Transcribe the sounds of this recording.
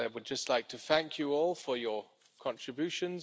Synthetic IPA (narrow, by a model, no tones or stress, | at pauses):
aɪwəd̚d͡ʒʌstˡlaɪk̚tʰəθæ̃ŋkʰjəɔːlˠfə˞jə | kʰɒ̃ntɹ̥ɪbjʉˑʃə̃nz